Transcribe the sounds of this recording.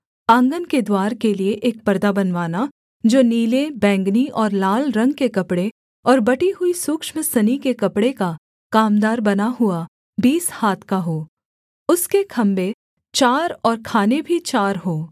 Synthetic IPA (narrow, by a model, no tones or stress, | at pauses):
ãːŋɡənked̪waːɾkelieʔeːk̚pɐɾd̪abɐnʋaːna | d͡ʒoːniːlebɛ̃ːŋɡniʔɔːɾlaːlɾɐ̃ŋɡkekɐpɽe | ɔːɾbɐʈiɦʊisuːkʃməsɐnikekɐpɽeka | kaːmd̪aːɾbɐnaɦʊa | biːshaːt̪ʰkaɦoː | ʊskekʰɐ̃mbe | t͡ʃaːɾɔːɾkʰaːnebʱit͡ʃaːɾɦoː